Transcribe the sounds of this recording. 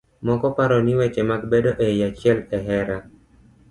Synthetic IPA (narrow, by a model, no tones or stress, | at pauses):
mɔkɔpaɾɔniwɛt͡ʃɛmaɡbedoʔejat͡ʃɪɛlɛɦɛɾa